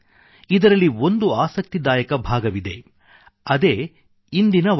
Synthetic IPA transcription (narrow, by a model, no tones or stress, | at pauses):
id̪ɐɾɐlːio̞nd̪uaːsɐk̚t̪id̪aːjɐkɐbʱaːɡɐʋid̪e̞ | ɐd̪eː | ind̪inɐ